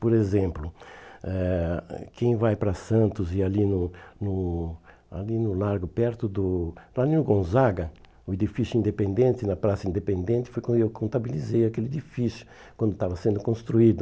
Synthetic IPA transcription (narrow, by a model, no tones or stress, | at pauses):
poɾezẽmplʊɛkʰẽj̃vajpɾɐsɐ̃nt̪ʊzɪalinʊnʊ | a̰linʊlaɾɡʊpɛɾt̪ʊd̪ʊlaninʊɡõzaɡɐ | ʊed̪ifisjʊĩnd̪epẽnd̪ẽnt̪ɪnɐpɾasɐĩnd̪epẽnd̪ẽnt̪ɪfojkwɐ̃nd̪ʊewkʰõnt̪abilizejakelɪed̪ifisjʊ̥ | kwɐ̃nd̪ʊt̪avɐsẽnd̪ʊkõst̪ɾuid̪ʊ